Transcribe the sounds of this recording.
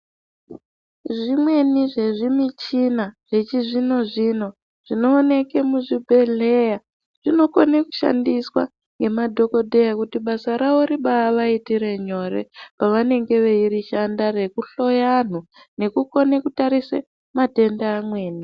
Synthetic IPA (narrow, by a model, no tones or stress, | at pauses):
ʐimwe̞niʐe̞ʐimit͡ʃinaʐ̥e̞t͡ʃiʐino̞ʐino̞ | ʐ̥ino̞ːne̞ke̞muʐibʱe̞ɮe̞ja | ʐ̥ino̞koneku̥ʃa̰ndiswa̰ | ŋɡe̞madʱo̞ko̞dʱe̞jakutiɓasaɾao̞ɾiɓaːʋaitiɾe̞ɲo̞ɾḛpaʋane̞ŋɡe̞ʋeiɾiʃandare̞kuɬo̞jan̤u | ne̞kuko̞nekutaɾise | mate̞ndeamwe̞ːni